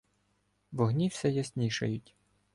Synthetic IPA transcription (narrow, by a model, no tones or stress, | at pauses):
ʋɔɦnʲiwsʲɛjɐsʲnʲiʃɐjʊtʲ